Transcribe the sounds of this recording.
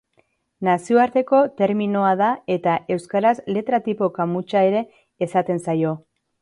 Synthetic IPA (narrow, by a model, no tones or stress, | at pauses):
nasio̞aɾt̪e̞ko̞t̪e̞ɾmino̞að̞ae̞t̪aʔe̞wskaɾasle̞t̪ɾat̪ipo̞kamut͡ʃae̞ɾe̞ː | sat̪e̞nsajo̞